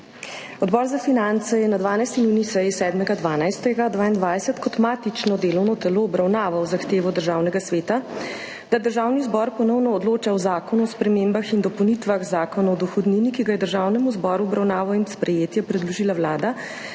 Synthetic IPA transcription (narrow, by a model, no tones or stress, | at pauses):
ɔd̪bɔːɾzafinant̪sɛjɛnad̪ʋaːnajst̪inuːnisɛjisɛːd̪mɛɡad̪ʋaːnajst̪ɛɡad̪ʋaːind̪ʋajsɛt̪kɔt̪maːt̪it͡ʃnɔd̪eːlɔwnɔt̪ɛloːbɾawnaːʋawzaxt̪eːʋɔd̪əɾʒaːwnɛɡasʋeːt̪a | d̪̥ad̪əɾʒaːwnizbɔɾpɔnɔwnɔːd̪loːt͡ʃawzaːkɔnuɔspɾɛmembaxind̪ɔpɔwnit̪ʋaɣzaːkɔnaɔd̪ɔxɔd̪ninikiɡajɛd̪əɾʒaːwnɛmuzbɔːɾuɔbɾawnaːʋawinspɾɛjeːt̪jɛpɾɛd̪lɔʒiːlawlaːd̪a